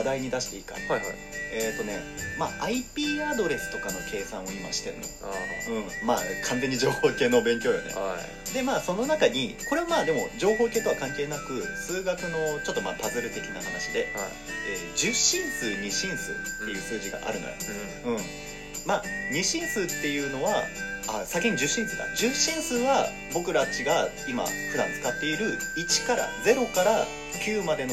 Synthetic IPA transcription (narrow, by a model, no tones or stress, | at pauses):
d̪aiɲ̟id̪aɕi̥t̪e̞ika̰a | eːt̪ːo̞ne̞ma̰ːʔaipʲiːad̪o̞ɾe̞sɨ̥t̪o̞kano̞kʰe̞ːsãɰ̃o̞ima̰ɕi̥t̪e̞ɾɯ̟̰no̞̰ɯ̟̃ɴma̰ːkʰãnze̞ɲ̟ːid͡ʑo̞ːho̞ːke̞ːno̞bẽ̞ŋkʲo̞ːjo̰nḛ | d̪e̞maːso̞no̞nakaɲ̟iko̞ɾe̞βamaːd̪e̞mo̞d͡ʑo̞ːɦo̞ːke̞ːt̪oβakãŋke̞ːnakɯ̟sɨːɡakɯ̟no̞t͡ɕo̞t̪ːo̞ma̰ːt̪azɨɾɯ̟t̪e̞kʲinaɦanaɕid̪e̞ | eːd͡ʑɨɕĩɰ̃sɨːɲ̟iɕĩɰ̃sɨ̰ːt̪ːe̞jɯ̟ːsɨːʑiɡa̰ʔa̰ɾɯ̟no̰jo̰ | ɯ̟̃ɴ | maːɲ̟iɕĩɰ̃sɨːt̪ːe̞jɯ̟ːno̞βaa̰sakẽɲ̟d͡ʑɨɕĩsɨːd̪a̰d͡ʑɨɕĩɰ̃sɨːβa | bo̞kɯ̟ɾat͡ɕiɡa | ima̰ɸɯd̪ã̰nt͡sɨ̥kat̪ːe̞iɾɯ̟it͡ɕi̥kaɾa̰d͡ze̞ɾo̞kaɾa | kʲʰɨːmad̪e̞n